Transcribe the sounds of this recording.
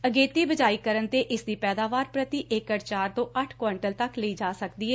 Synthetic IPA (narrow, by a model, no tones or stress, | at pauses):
əɡeːt̪iːbəd͡ʒaːiːkəɾənt̪eːʔɪsd̪iːpɛːd̪aːʋaːɾpɾət̪iːʔɪkəɾt͡ʃaːɾt̪õːʔəʈʰkwɔːɳʈəlt̪əkləiːd͡ʒaːsəkd̪iːɛː